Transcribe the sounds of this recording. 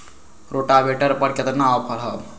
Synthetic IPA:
ɾoʈabʱeʈəɾpəɾket̪nawpʰəɽɦəb

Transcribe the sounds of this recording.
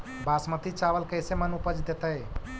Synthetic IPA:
basmət̪it͡ʃabəlkəjsemənupəd͡ʒd̪et̪əj

